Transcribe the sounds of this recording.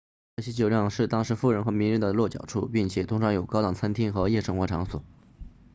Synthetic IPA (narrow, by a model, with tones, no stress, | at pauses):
a˥˩ɕɛ˥t͡ɕjo˨˩ʊljɑ˥˧ŋʂɻ̩˥˩t̪ɑ˥ŋʂɻ̩˧˥fu˥˩ɻə˧˥nxɤ˧˥mi˧˥nɻə˧˥nd̪ə˨˩lwɔ˥˩t͡ɕjɑ̰˨˩ʊʈ͡ʂʰṵ˥˧pi˥˩ŋt͡ɕʰjɛ˨˩t̪ʰʊ˧˥ŋʂʰɑ˧˥ŋjo˨˩ʊkɑ˥t̪ɑ˨˩ŋt͡sʰa˥nt̪ʰi˥ŋxɤ˧˥jɛ˥˧ʂɤ˥ŋxwɔ˧˥ʈ͡ʂʰɑ˧˥ŋswɔ̰˨˩˦